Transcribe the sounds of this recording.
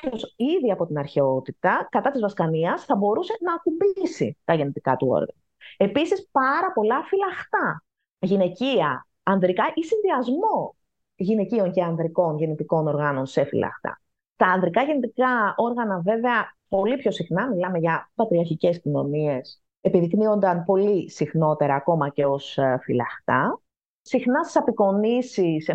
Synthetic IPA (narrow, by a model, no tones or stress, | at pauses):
çosiðiɐpo̞t̪inɐɾçeo̞t̪it̪ɐkɐt̪ɐt̪izvɐskɐniɐsθɐbo̞ɾuse̞nɐːkumbisḭt̪ɐʝe̞nit̪ikɐt̪uo̰ɾɣɐ̰nɐe̞pisispɐɾɐpo̞lɐfilɐxt̪ɐ | ʝine̞ciɐː | nðɾikɐʔisinðiɐzmo̞ | ʝine̞cio̞ŋce̞ɐnðɾiko̞nʝe̞nit̪iko̞no̞ɾɣɐno̞nse̞fḭlɐ̰xt̪ɐ̰ | t̪ɐːnðɾikɐʝe̞nit̪ikɐo̞ɾɣɐnɐve̞ve̞ɐpo̞lipço̞sixnɐmilɐme̞ʝɐpɐt̪ɾiɐɾçice̞scino̞nie̞s | e̞piðiknio̞nd̪ɐnpo̞lisixno̞t̪e̞ɾɐːko̞mɐceo̞sfilɐ̰xt̪ɐ | sixnɐst̪isɐpiko̞nisis